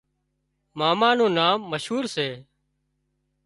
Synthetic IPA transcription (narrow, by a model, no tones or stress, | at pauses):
maːmaːnũːnaːmːəʃɦuːɾseː